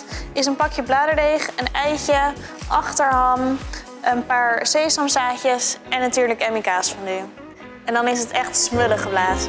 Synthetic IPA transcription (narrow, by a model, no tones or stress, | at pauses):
ɪsənpɑkjəblaːdəɹdejχənɛjcə | ʔɑχtəɹɦɑm | ənpaːɹsejsɑmsaːcəsɛnːatyːɹləkɛmikaːsfɑny | ɛndɑnɪsɦətɛχtsmɵləχəblaːzə